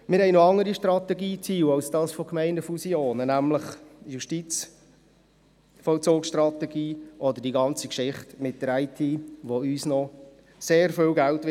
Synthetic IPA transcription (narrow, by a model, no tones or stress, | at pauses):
mɪɾhɛɪnoɑŋəɾiʃtɾɑt̪ɛɡiːt͡siːwɑwsd̥ɑːsfokmɛɪnəfusjoːnənæmləχjuʃtit͡s | fɔlt͡soːksʃtrɑt̪ɛɡiːʔɔd̪ədiɡɑnt͡sikʃɪχtmɪt̚d̥əɾaɪtʰiːʋoyːsnɔ | seːɾfɪːlɡæltʋɪ